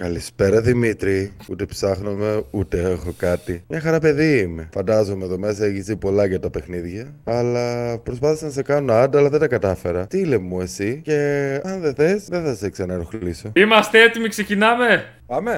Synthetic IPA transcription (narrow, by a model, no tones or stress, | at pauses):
kɐlispe̞ɾɐðimit̪ɾiut̪e̞psɐxnome̞ut̪e̞exo̞kɐt̪imɲɐxɐɾɐpe̞ðiime̞fɐnd̪ɐzomeðomesɐeçizðipo̞lɐʝɐt̪ɐpe̞xniðʝɐɐlɐpɾospɐθisɐnsekɐnunɐɐd̪ɐlɐðed̪ɐkɐt̪ɐfe̞ɾɐt̪ilemːue̞sice̞ɐnðe̞θe̞sðeθɐseksenɐeɾoxllisoimɐst̪eet̪imikse̞cinɐme̞ | pɐme